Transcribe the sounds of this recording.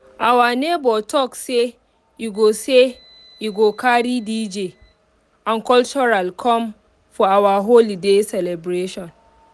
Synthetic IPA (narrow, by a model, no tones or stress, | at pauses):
ʔawaːneːbɔtɔkse | ʔiɡʷoːse | ʔiɡokaːɽiːdiːd͡ʒeː | ʔaŋkɔlt͡ʃɔɾalkʰɔm | fɔawaɦolidesɛlɛbɾeːʃɔn